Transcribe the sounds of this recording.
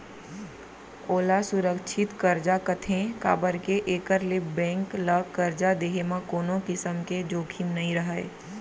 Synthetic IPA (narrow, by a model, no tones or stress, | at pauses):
oːlasʊɾəkʃʰɪt̪kəɾd͡ʒakət̪ʰẽka̰ːbəɾkeʔeːkəɾlebɛ̃ːŋklakəɾd͡ʒad̪eːɦemãkoːnõkɪsəmked͡ʒoːkʰimnəɦĩɾəɦəḛ